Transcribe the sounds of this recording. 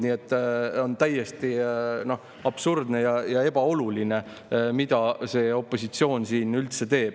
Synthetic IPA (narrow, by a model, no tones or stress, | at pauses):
niːet̪ːˑo̞nt̪æjːe̞st̪ino̞h | ɑb̥surd̪ne̞jɑjɑe̞b̥ɑo̞luline̞ | mid̪̥ɑse̞ːo̞pːˑo̞sit̪sio̞ːnsiːnylt̪se̞t̪e̞ːb̥̚